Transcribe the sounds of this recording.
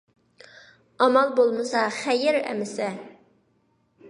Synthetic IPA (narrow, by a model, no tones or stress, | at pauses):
ɑmɑlˠbolˠmɨsɑχɛjɪɾɛ̰mɪsɛ